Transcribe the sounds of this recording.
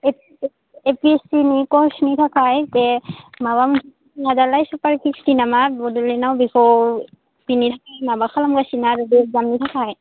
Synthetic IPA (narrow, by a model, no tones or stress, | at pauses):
ep | epiestinikɔsnitʰakʰajtɛmabamutʰi | nazalajsɔpaɹkʰistinamabɔdulɛnawbixɔ | pinitʰakʰajnabaxʰalamɡasinaɹɔbizamnitʰakʰaj